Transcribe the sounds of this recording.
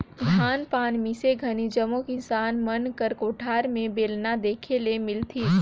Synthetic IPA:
d̪ʱaːnpaːnmiseɡʱɐnid͡ʒəmõkinsaːnmənkəɾkoːʈʰaːɾmẽbeːlnad̪eːkʰelemɪlt̪ʰiː

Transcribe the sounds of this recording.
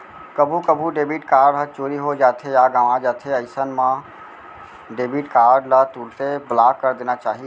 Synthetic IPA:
kəbʱukəbʱuɖeːbiːʈkaːɾɖɦət͡ʃoːɾiɦod͡ʒaːt̪ʰejaɡaːʋãd͡ʒaːt̪ʰeɐɪsənmã | ɖeːbiʈkaːɾɖlat̪uːɽt̪eblaːkːəɾd̪eːnat͡ʃaːɦie

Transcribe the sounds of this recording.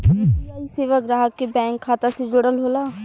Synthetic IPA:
aːiseːʋəkɾaɦəkːebɛ̃ːŋkʰːaːt̪ased͡ʒʊɽəlɦoːlaː

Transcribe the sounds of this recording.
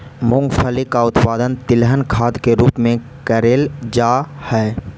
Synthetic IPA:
mʊ̃ŋɡfʰəlikaʊt̪paːd̪ənt̪ɪlɦənkʰaːd̪keɾuːpmẽ | kəɾeːld͡ʒaːhɛː

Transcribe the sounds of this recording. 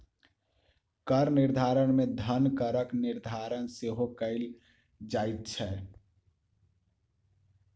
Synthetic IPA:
kəɾniɾd̪ʱaɾəɳmed̪ʱənkəɾəkniɾd̪ʱaɾənseɦokəɪl | d͡ʒajt̪̚t͡ʃʰɛ

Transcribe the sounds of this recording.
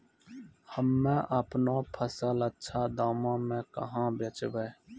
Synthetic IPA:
həmːẽːʔəpnoːpʰəsələtːʃʰaːd̪aːmãːmẽːkəɦãːbət͡ʃʋeː

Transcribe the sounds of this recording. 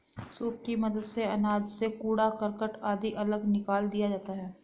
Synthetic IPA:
suːp̚kimɐd̪əd̪seɐnaːd͡ʒsekuːɽakɐɾkəʈaːd̪iʔɐləɡnɪkaːld̪ijad͡ʒaːt̪aɦɛː

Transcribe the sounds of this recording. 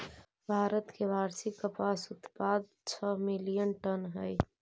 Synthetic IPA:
bʱaːɾət̪kebʱaːɾsɪkːəpaːsʊt̪paːd̪̚ | t͡ʃʰəmɪlijənʈənɦəj

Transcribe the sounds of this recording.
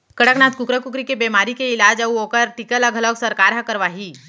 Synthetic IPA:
kəɽəknat̪̚kukɾəkukɾikebemaɾikeilad͡ʑauokəɾʈikəlaɡʱələksəɾkaɾɦakəɾʋaɦi

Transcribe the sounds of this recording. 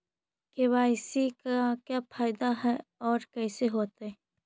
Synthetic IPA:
kewaːɪsikakjapʰaːɪd̪aɦɛɔːɾkɛːseɦoːt̪eɦɛ

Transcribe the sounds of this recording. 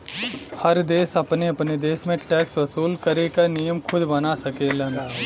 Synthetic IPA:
hɐɾd̪eːsɐpneɐpned̪eːsmẽʈɛːksʋɐsuːlkɐɾekanijəmkʰʊd̪bɐnasɐkelɐ̃n

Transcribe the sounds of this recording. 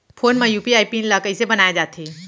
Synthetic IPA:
pʰoːnmãjuːpiaːipinlaːkəisebɐnaːjad͡ʒaːt̪ʰiː

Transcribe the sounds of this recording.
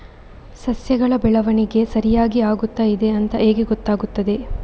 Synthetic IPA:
sɐsjɐɡɐɭɐbɛɭɐʋɐniɡe̞sɐɾijaːɡiaːɡut̪ːaid̪e̞ɐnt̪ɐʔeːɡeɡɔt̪ːaːɡut̪ːɐd̪e̞

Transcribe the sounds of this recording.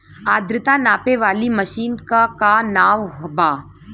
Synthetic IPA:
aːd̪ɾɪt̪anaːpeʋaːlimɐʃiːnkakanaːʋɦbaː

